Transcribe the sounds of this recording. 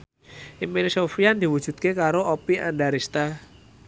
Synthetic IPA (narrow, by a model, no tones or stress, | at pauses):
ʔimpinsofijand̪̥i̤wud̥ʒ̥ṳt̪̚kekaɾoopia̰nɖaɾist̪a